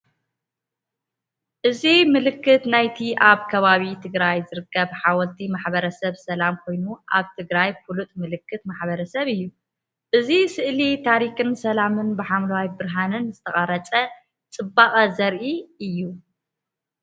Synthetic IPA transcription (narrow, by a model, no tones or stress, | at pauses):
ʔɨzimɨlɨkːɨt̪najt̪ʰiʔaβkʰɐβaβit̪ʰɨɡɾajzɨɾɨkːɐβħawɔlt̪ʰimaħbɐɾɐsɐβsɐlamkʰo̞jnuʔa̰βt̪ʰɨɡɾajfulut̪ʼmɨlɨkːɨt̪maħβɐɾɐsɐβɨjːu | ʔɨzisɨʔlit̪ʰaɾikɨnsɐlamɨnbɨħamlɐwajbɨɾɦanɨnzɨt̪ʰɐχʼɐɾɐt͡sʼɐ | t͡sʼɨbːaχʼɐzɐɾʔiɨjːu